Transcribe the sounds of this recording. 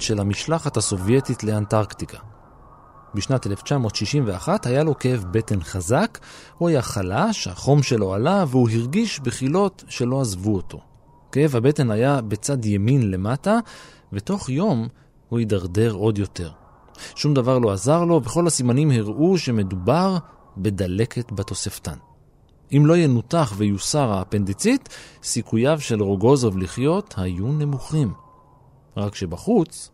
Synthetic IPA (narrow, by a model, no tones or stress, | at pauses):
ʃe̞lamiʃlaχathaso̞vje̞title̞antaʁktikʰa | biʃnatele̞ft͡ʃamo̞ːtʃiʃimveaχathajalo̞keevbe̞te̞nχazakhuajaχalaʃha̰χo̞mʃe̞lo̞alaveuɦiʁɡiʃbeχilo̞tʃe̞lo̞azvuotʰo̞̰ | keevhabe̞te̞najabe̞t͡sadjeminle̞mata | ve̞to̞χjo̞m | huidaʁde̞ʁo̞d̪jo̞te̞ʁ | ʃumd̪avaʁlo̞azaʁlo̞veχo̞lhasimanimhiʁuʃe̞me̞dubaʁ | be̞d̪ale̞ke̞tbat̪o̞sefta̰n | imlo̞ijenutaχvejusaʁape̞nd̪it͡sit̪sikujavʃe̞lʁo̞ɡo̞zovliχjo̞t̪hajune̞muχim | ʁakʃe̞baχut͡s